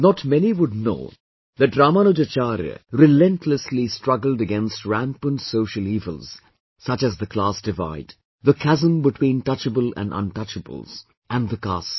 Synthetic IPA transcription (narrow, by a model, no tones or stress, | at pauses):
nɔtmɛniwʊd̚no̰ː | ðɨʈ̚dɾaːmanod͡ʒət͡ʃaɾjə̰ɾɪlɛ̃ntʰləslistɹʌɡəl̩ˠdəɡɛ̃nstɹæ̃mpə̃nsoʊʃəliːvə̰lz̥ | sʌt͡ʃɨzðəklaːsd̥ɪva̰ɪd | ðəkʰæzə̃mbɪʈʰw̥ĩːnʈʌt͡ʃəbəlæ̰̃nʌ̰̃nʈʌt͡ʃəbə̰lˠz | ʔæ̃nðəkla̰s